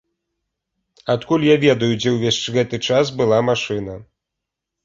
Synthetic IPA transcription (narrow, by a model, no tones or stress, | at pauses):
at̪kulʲjavʲɛd̪ɐjud͡zʲɛwvʲeʂt͡ʂɣɛt̪ɨt͡ʂas̬bɨlˠamaʂɨnɐ